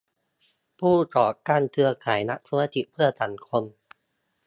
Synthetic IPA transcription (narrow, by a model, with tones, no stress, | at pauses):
pʰuː˥˩t͡ɕɔː˨˩kaː˧˩nt̪ʰɯ˧ɐkʰaː˩˦jna˦˥k̚sʰu˧ma˧t̪i˨˩pʰɯ˥˩ɐt̪a˨˩˦nkʰo˧m